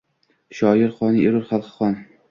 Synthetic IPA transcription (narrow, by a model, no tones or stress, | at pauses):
ʃɒːjɪɾχɒniʔeɾʊɾχalˠqχɒn